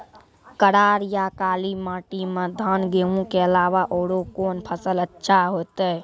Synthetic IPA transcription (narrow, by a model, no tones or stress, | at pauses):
kəɽaɾjakaːlimaʈimed̪ʱənɡeɦũkeəlaβaʔoːɽokonpʰəsələtːʃʰaɦot̪ə